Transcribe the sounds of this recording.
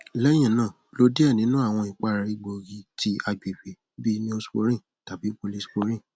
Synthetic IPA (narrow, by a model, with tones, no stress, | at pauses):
lɛ˦j̃ĩ˦˨nãː˦˨lo˨˦di˦ɛ˦˨nĩ˨˦nũ˦a˦˨w̃ɔ̃˧i˨k͡pa˦ɾa˧i˧ɡ͡bo˨ɡi˨˦ti˧˦a˧ɡ͡be˨fe˨ | bi˦nĩ˦o˧˦so˦ɾ̃ĩ˦˨ | ta˨bi˨˦k͡po˧li˦sk͡po˧ɾĩ˦˨